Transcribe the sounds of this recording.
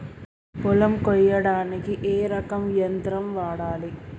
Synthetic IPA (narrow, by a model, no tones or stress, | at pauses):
pɔlɐmkɔjːɐɽaːnikiʔeːɾɐkɐmʋijɐnt̪ɾɐmʋaːɽaːli